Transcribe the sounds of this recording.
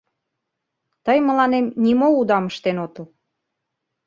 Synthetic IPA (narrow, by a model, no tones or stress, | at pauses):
t̪əjmə̆lɑnemnimoud̪ɑməʃt̪enot̪ə̆l